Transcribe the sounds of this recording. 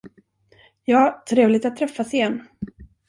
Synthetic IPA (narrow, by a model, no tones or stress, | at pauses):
jɑːt̪ʰɾeːvlɪɡ̚t̪at̪ʰːɾɛfːasɪjɛnː